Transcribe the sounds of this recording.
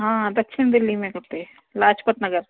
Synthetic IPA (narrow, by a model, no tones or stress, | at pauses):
ɦãːd̪ɐkʃʰɪnd̪ɪlːimẽkɐɾt̪eɛ | laːt͡ʃpət̪nɐɡəɾ